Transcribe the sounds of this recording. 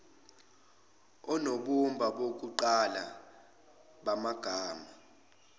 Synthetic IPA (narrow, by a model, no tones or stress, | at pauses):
ɔnoɓumbʱaɓok̬uǃala | ɓamaɡ̥ʱaːma